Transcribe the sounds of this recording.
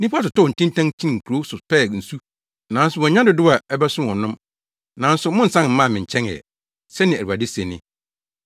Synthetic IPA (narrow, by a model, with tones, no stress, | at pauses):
nĩ˦pʰu˦a˦tʊ˨tɔ˦˨n̩˨tʰĩ˦ntʰã˦ŋt͡ɕʰĩ˦n˨ŋ̩˨kʰu˨ɾo˨˦sʊ˨pɛ˦˨n̩˨su˦ | nã˨˦n˦sʊ˨wɔ˨ɲã˦dʊ˨dʊ˦a˨ɛ˦bɛ˦sʊ̃˦ɔ̃˨nʊ̃˦m | nã˨n̩˦sʊ˨mʊ̃˦n̩˨sã˦nm̩˦mã˦˨mɪ̃˨ɲ̩˨t͡ɕʰɛ̃˦ŋɛ̰˨ | sɛ˦nɪ̃˨æ˨i˨a˨dɪ˦se˨nɪ̰̃˦